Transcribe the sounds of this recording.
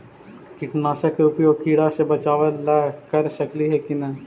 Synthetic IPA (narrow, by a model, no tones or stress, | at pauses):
kɪʈnaːʃəkɾuːpijokiːɽasebɐt͡ʃaːʋəlakɐɾʃɐkliɦɛkinɛː